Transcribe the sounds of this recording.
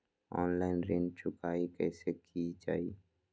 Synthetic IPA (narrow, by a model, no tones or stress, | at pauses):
ɔːnlaːɪnɾẽːnd͡ʒt͡ʃʰʊkaːikɛːsekid͡ʒaːi